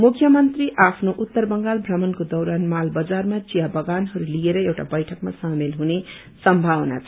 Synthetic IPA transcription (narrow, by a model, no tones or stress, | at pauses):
mukʰːjʌmʌnt̪riʔapʰnoʔut̪ːʌrbʌŋɡalbʱrʌmʌnkod̪ʌwɾanmalbʌd͡zarmat͡sijabʌɡanɦʌɾulijeɾʌewʈa̰bʌjʈʰʌkmasamelɦune | sʌmbʱawna̰t͡sʰʌ